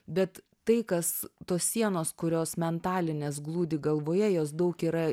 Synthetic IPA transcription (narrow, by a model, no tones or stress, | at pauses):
bʲɛt̪ | t̪ɐɪkɐst̪oːssʲiɛnoːskʊɾʲoːsmʲɛnt̪ɑːlʲɪnʲeːs̬ɡlˠuːd̪ʲiːɡɐlˠʋoːjɛjoːs̬d̪ɐʊkiːɾɐ